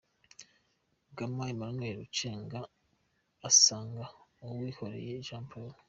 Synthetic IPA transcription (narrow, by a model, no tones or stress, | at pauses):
ɡamajimaɾunweːɾut͡ʃeːŋɡaː | saːŋɡaowiːhoɾḛjeʒaːmpʰuːɾo